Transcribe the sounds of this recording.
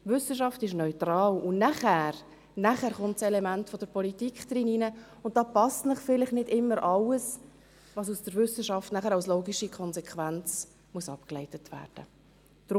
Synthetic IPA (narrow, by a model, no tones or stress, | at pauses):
vʏsəʃɑftɪʃnœʏtɾɑːlʊnnæχæːɾ | næχæɾχʊntsɛlɛmæntfɔd̥əɾpɔlitikχd̥̪ɾɪninə | ʊnt̚d̥ɑːpɑstnəχfɪlɪχnɪdɪmːəɾʔɑləs | ʋɑːs̬usd̥əɾʋʏsəʃɑftnæχəɾɑʊsloːɡiʃikʰɔnsɛkʰʋænt͡s | muəsɑpklɛɪtətʋæ̰ːɾd̥ə | d̥ɾ